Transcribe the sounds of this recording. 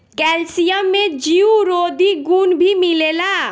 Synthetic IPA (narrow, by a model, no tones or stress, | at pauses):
kɛlsijəmːẽd͡ʒiuɾod̪iɡunbʱimilela